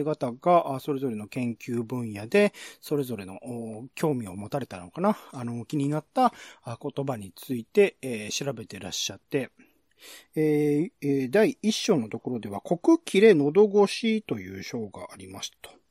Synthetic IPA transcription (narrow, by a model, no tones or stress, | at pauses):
ɡat̪aɡaʔso̞ɾe̞zo̞ɾe̞no̞kẽ̞ŋkʲɨːbɯ̟̃ɰ̃jad̪e̞so̞ɾe̞zo̞ɾe̞no̞oːkʲo̞ːmʲio̞mo̞t̪aɾe̞t̪anokanaːno̞kʲiɲ̟inat̪ːako̞t̪o̞baɲ̟it͡sɨit̪e̞ɕiɾabe̞t̪e̞ɾaɕːat̪ːe̞ | eː | d̪aiiɕːo̞ːno̞t̪o̞ko̞ɾo̞d̪e̞β̞akʰo̞kɯ̟kʲʰiɾe̞no̞d̪o̞ɡo̞ɕit̪o̞jɯ̰ːɕo̞ːɡa̰aɾʲimasi̥t̪ḁ